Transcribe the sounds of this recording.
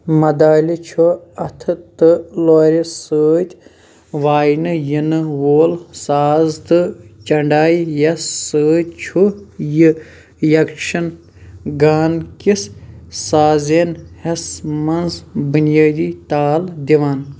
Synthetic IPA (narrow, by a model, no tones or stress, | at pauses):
mɐd̪aːlʲit͡ʃʰuɐt̪ʰɨt̪ɨloːɾʲisəːt̪ʲ | ʋaːjnɨjinɨwoːlsaːzt̪ɨt͡ʃɐɳɖaːjjɐsːəːt̪̚ʲt͡ʃʰujɨ | jɐkʃɐn | ɡaːnkissaːzenhɐsmɐnzbunjaːd̪iːt̪aːld̪iʋaːn